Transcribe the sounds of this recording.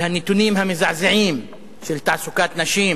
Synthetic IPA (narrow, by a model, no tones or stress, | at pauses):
hanːɪt̪uniːmɦamɪzaʕzɪʕiːm | fɪlt̪aʕsʊkaːt̪naʃiːm